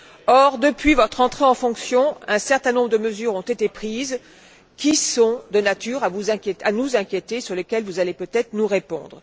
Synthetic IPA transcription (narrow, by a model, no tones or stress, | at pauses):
ɔʁd̪əpɥivɔt̪χɑ̃t̪χeɑ̃fɔ̃ksjɔ̃ɛ̃sɛʁt̪ɛ̃nɔ̃bʁəd̪əməzyːʁɔ̃t̪et̪epχiz | kʲisɔ̃d̪ənat̪yʁavuzɛ̃kʲeanuzɛ̃kʲjet̪esyʁləkʲɛlvuzalepøt̪ɛt̪χənuʁepɔ̰̃d̪ʁ